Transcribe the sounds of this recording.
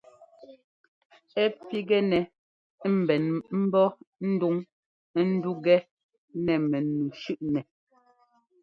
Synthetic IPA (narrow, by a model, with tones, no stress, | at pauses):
ɛ˦pi˦ɡɛ˦nɛ˨˦ | m̩˨bɛ˨nm̩˦bɔ˦n̩˦du˦ŋ˦ | n̩˦du˦ɡɛ˦ | nɛ˨mɛ˨nu˨ʃʉ˦ʔnɛ˨